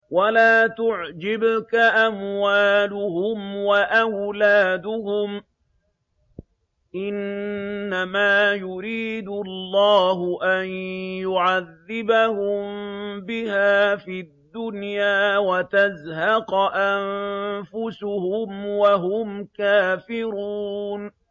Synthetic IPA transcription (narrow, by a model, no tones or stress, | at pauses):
walaːt̪ʊʕd͡ʒɪbkaʔamwaːlʊhʊmwaʔawlaːd̪ʊhʊm | ʔɪnː | amaːjʊɾiːd̪ʊlːɑːhʊʔanjʊʕaðːɪbahʊmbɪhaːfid̪ːʊnjaːwat̪azhɑqʔanfʊsʊhʊmwaɦʊmkaːfɪɾuːn